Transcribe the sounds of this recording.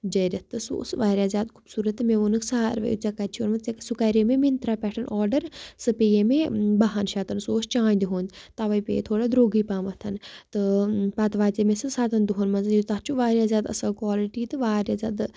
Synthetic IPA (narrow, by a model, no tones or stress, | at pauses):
d͡ʒɐjɾʲɐt̪ːɨso̰ːsʋaːɾjaːzʲjaːd̪kʰu̥bsuːɾɐt̪mẽonɨksaɾʋɐ̰jṵt͡sɐkaɾt͡ʃʰonmɐt͡seksukaɾemẽmint̪ɾaːpʲɛːʈʰɐnʔɔːɾɖəɾsɨpejemebaɦanʃaːt̪ɐnsoːst͡ʃãːnd̪ʲiɦõːnd̪ʲt̪aʋɐjpʲḛjḛt̪ʰoːɽad̪ɾoːɡiːpaːmɐt̪ʰɐnt̪ɨpaːt̪ʋaːt͡semẽsɨsaːd̪ɐnd̪uɦoːnmɐzjt̪aːt͡ʃʰuʋaːɾjaːzʲjaːd̪ɐ̰sɐlkʋaːliʈiːt̪ɨʋaːɾjaːzʲja̰ːd̪